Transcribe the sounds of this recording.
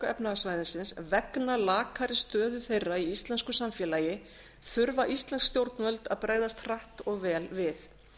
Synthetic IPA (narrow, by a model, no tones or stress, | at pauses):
ɛpnaɣsvajðɪnsɪnsvɛknalaːkʰaɾɪst̪œːðʏθejrːaiist̪lɛnskʏsamfjɛːlaːjɪ | θʏɾvaʔist̪lɛnskst̪jowɾt̪nvœlt̪aðpɾaːjðast̪r̥aht̪ɔɣvɛːlvɪθ